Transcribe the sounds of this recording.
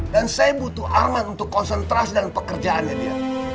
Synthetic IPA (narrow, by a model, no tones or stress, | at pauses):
dansajabut̪uʔarmat̪unt̪ʊkːɔnsənt̪ɾasidəŋanpəkərd͡ʒaanat̪uja̰